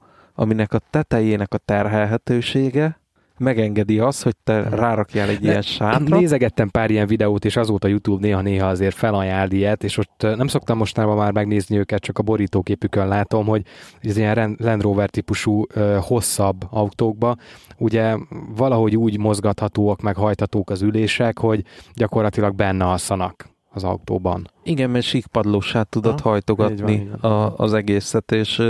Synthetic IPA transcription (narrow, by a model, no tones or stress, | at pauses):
ɒ̰minɛkɒt̪ɛt̪ɛjeːnɛkɒt̪ɛrɦɛlɦɛt̪øːʃeːɡɛ | mɛɡɛŋɡɛd̪iɒsho̞c̚t̪ɛraːɾɒkjalɛɟːijɛnʃaːt̪neːzɛɡɛt̪ːɛmpaːɾijɛɱvid̪ɛoːt̪eːʃɒzoːt̪ɒjut̪juːbneːɦɒneːɦɒɒzeːrfɛlɒjaːld̪iɛt̪eːʃot̪ːnɛmso̞k̚t̪ɒmːo̞ʃt̪ɔnaːbɒmaːrmɛɡneːzniøːkɛt̪̚t͡ʃɒkɒbo̞ɾiːt̪oːkeːpykønlaːt̪o̞mɦo̞ɟoɟɛziɛnɛrɛnd̪roːvɛrt̪ipuʃuøːho̞sːɒbːɒwt̪oːɡ̚bɒuɟɛvɒlɒɦo̞ɟuːɟmo̞zɡɒt̪hɒt̪oːɒkmɛkɦɒjt̪hɒt̪oːkɒzyleːʃɛkho̞ɟɟɒko̞rlɒt̪ilɒɡ̚bɛnːɛɒsːɒnɒk | ɒzɒ̰ut̪o̰ːbɒ̰niɡɛmmɛʃikpɒd̪loːʃaːt̪ːud̪ot̪hɒjt̪oɡɒtːniɒ̰ːzɛɡeːsɛt̪eːʃ